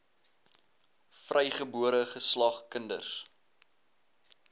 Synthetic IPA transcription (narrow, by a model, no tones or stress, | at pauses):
frʔɛjχəbuəɾəχəslɐχkəndə̰rs